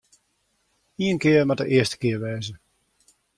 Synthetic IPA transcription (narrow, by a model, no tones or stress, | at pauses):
iənkɪərmadəʔɪəstə̥kɪəɹʋɛːzə